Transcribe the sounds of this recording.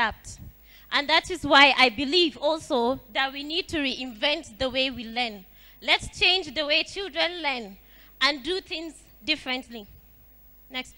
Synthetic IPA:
ap̚t | ʔə̃nðatɪzwaɪʔaɪbilivɔlˠsoðat̚winid̚tʰuɹiʔɪ̃ɱvɛ̃ntðəweɪwilɜ̃˞n | lɛtst͡ʃʰẽɪ̃nd͡ʒðəweɪt͡ʃʰilˠdɹə̃nlɜn | ʔə̃nduθɪ̃ŋz | dɪfɹɨ̃ntli | nɛks

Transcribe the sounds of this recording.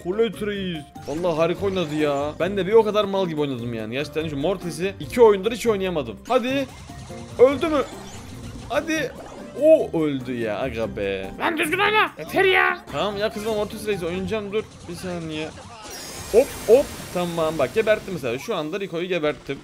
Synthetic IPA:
kʰulʲøt̪ʰɾejiz | valˠːaːɦaɾikʰo̞junad̪ɯjabænd̪ɛbio̞kʰad̪aɾmalˠɟibʲiounad̪ɯmja̰ːnijat͡ʃt̪ʰɛniʃmo̞ɾt̪ʰes̬iicʰio̞jund̪ɯɾit͡ʃʰio̞jnajamad̪ɯmhad̪ɪ | ølʲd̪ymy | had̪ɪ | oølʲd̪yja̰a̰ɡabɛ̰bænd̪yɾd̪ymajnat̪ʰɛɾijat̪ʰamjakʰɯzmamo̞ɾt̪ʰes̬iɾejis̬io̞jund͡ʒamd̪uɾ | bisaːnijɛ | op̚op̚t̪ʰammːambak̚ɟebæɾt̪ʰːimɛs̬elʲaːʃuand̪aɾikʰojuɟebæɾt̪ʰːim

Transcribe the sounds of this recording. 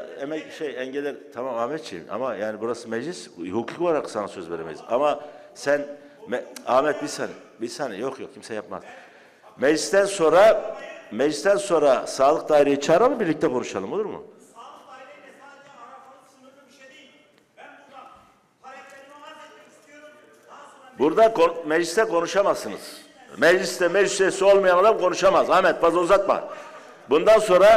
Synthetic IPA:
emɛʃejɛnɟelʲɛlʲt̪ʰamamahmɛt̪̚t͡ʃʰima̰majaːnibuɾasɯmɛd͡ʒlʲishukʰukoaɾaksanasø̞zve̞ɾemɛ̰izama | sæn | maːmɛt̪̚bisani | bisanijokjok̚cʰimsɛjapma̰z̥ | mɛd͡ʒlʲist̪ænso̞nɾamɛd͡ʒlʲist̪ænso̞nɾasaːlˠɯk̚d̪aːiɾejit͡ʃʰaːɾalˠɯbiɾlʲic̚t̪ʰɛkʰonuʃalˠɯmo̞lˠuɾmʊ̰ | buɾd̪akomɛd͡ʒlʲist̪ʰɛkʰo̞nuʃamasɯnɯ̰z̥ | mɛd͡ʒlʲist̪ɛmɛd͡ʒlisyjesio̞lˠmajanad̪amkʰo̞nuʃamazamɛt̪̚bazauzat̪̚ma̰ | bund̪anso̞nɾa

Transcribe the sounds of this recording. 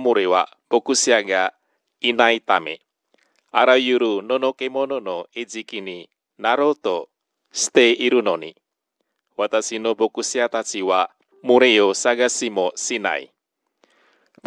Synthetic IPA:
muɾewa̰ | b̥okusiaɡa | inait̪amḛ | aɾajuɾunɔnokemonɔnoed͡ʒikini | naɾot̪ɔ | st̪eiɾunɔnḭ | wat̪asinobokusiat̪at͡ʃiwa | muɾeosaɡasimosina̰ḭ | b

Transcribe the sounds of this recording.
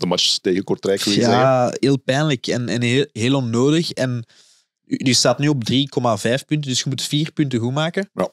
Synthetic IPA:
dəmat͡ʃə̥steːɣəkɔrtrɛkʋɪjaɦeːlˠpɛːnləkɛnɛnɦeːlˠɔnːoːdəxɛn | dəstaːtnyːɔb̚driːkɔmavɛːfpʏntəndʏsxəmutfiːrpʏntəɣumaːkəja

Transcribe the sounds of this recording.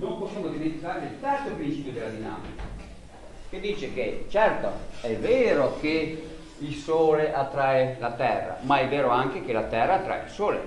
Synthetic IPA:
nõmposjamod̪iment̪ikaːɾet̪ɛrsopɾint͡ʃiːpjod̪elːad̪ina̰ːmika | k̟ed̪iːt͡ʃeket͡ʃɛrt̪o̰ɛveːɾoke | ilsoːleʔat̪ːɾaelat̪ɛrːa̰maɛvːeːɾoaŋk̟ekelat̪ɛrːaːt̪ːɾa̰ḛilsoːlḛ

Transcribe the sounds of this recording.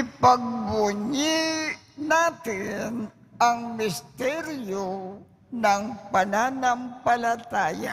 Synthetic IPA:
ɪpɐɡ̚bʊɲɪ | naːt̪ɪn | ʔɐŋmɪst̪ɛɾjo | nɐŋpɐnanɐmpɐlat̪aːja̰

